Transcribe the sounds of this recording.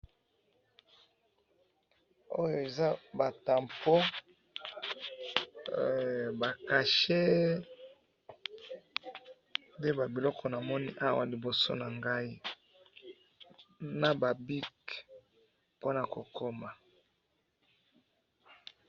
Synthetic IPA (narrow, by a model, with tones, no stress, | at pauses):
o̰˦jo˨e˨za˦ba˨ta˨mpo˦ | ba˨ka˨ʃe˦ | nde˦ba˨bi˨lɔ˦kʰɔ˨na˨mɔ˦ni˦ʔa˦wa̰˨li˨bo˨so̰˦na˨ŋɡa˦i˦ | na˨ba˨bi˦k | po˦na˨ko˨kʰo˦ma˨